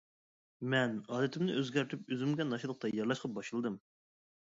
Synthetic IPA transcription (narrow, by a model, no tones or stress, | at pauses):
mɛnɑːd̪ɪt̪ʰɪmnɪ̰ʔøzɡʲæɾt̪ʰypøzɪmɡʲɛnɑʃilˠəq̚t̪ɑjɑɾlˠɑʃqʰɑp̚bɑʃɨlˠɨd̪ɨm